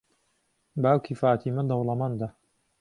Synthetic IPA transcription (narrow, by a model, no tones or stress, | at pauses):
baːwkʰifaːt̪ʰimɐd̪ɐwlɐmaːnd̪a